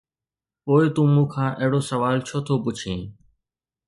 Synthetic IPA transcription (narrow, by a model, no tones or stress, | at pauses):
poːɪt̪ũːmũːkʰãːʔəɦɪɽoːsəʋaːlt͡ʃʰoːt̪ʰoːpʊt͡ʃʰẽː